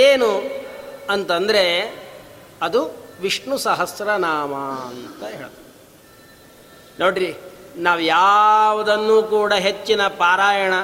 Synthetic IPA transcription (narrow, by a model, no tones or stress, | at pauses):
eːnu | ɐnt̪ɐnd̪ɐɾe̞ | ɐd̪uʋiʂɳusɐɦɐsɾɐnaːmɐɐnt̪ɐɦeːɭɐt̪ɐde | noːɽɾinaːʋujaːʋɐd̪ɐnːuːkuːɽɐɦet͡ʃːinɐpaːɾaːjɐɳɐ